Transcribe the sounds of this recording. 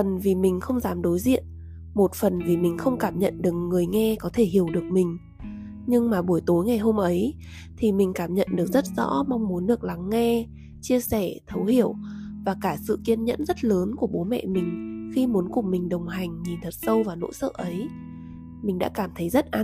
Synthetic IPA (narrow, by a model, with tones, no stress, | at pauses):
fə˨˩nvi˨˩mï˨˩ŋ̟xə˧wŋ͡mzaː˨˦mɗo˨˦jzḭ˧˨ən | mo˨˩t̚fə˨˩nvi˨˩mï˨˩ŋ̟xə˧wŋ͡mkaː˧˩mɲə̰˧˨nɗɨ˨˩ək̚ŋɨ˨˩əjŋɛ˧kɔ˨˦t̪ʰe˧˩hɦi˧˩əwɗɨ˨˩ək̚mï˨˩ŋ̟ | ɲɨ˧ŋmaː˨˩ɓu˧˩əjt̪o˨˦jŋa˨˩jɦo˧mʔə˨˦j | t̪ʰi˨˩mï˨˩ŋ̟kaː˧˩mɲə̰˧˨nɗɨ˨˩ək̚zə˦˥t̚z̥ɔ̰˧˥ma˧wŋ͡mmu˨˦nɗɨ˨˩ək̚la˨˦ŋːɛ˧ | t͡ɕi˧əsɛ˧˩t̪ʰə˨˦whi˧˩əwvaː˨˩kaː˧˩sɨ̰˧˨ki˧ənɲə̰˧˥nzə˦˥t̚ləː˨˦nku˧˩əɓo˨˦mɛ̰˧˨mï˨˩ŋ̟xi˧mu˨˦ənkʊ˨˩ŋ͡mmï˨˩ŋ̟ɗə˨˩wŋ͡mɦa˨˩jŋ̟ɲi˨˩nt̪ʰə˨˩t̚sə˧wvaː˨˩no̰˧˥sə̰ː˧˨ʔə˨˦j | mï˨˩ŋ̟ɗa̰ː˧˥kaː˧˩mt̪ʰə˨˦jzə˦˥t̚ʔaː˧